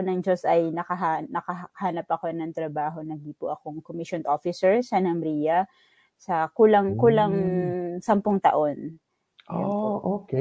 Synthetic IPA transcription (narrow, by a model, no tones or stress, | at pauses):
onɐŋd͡ʒo̞sɐjnɐkɐɦanɐkɐɦhaːnɐpɐko̞nɐŋt̪ɾɐbaːɦo̞nɐɡipʊ̰ʔɐkoŋkomiʃonʔofɪsɛɹsɐnɐmɾiːjɐ | sɐkuːlɐŋkuːlɐŋsɐmpʊŋt̪ɐ̰ʔo̞n | ʔoʔok